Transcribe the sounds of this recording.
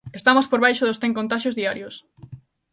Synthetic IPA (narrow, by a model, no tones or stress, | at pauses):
est̪amospoɾβ̞ajʃoðʊsθeŋkõnt̪aʃjozðiaɾjʊs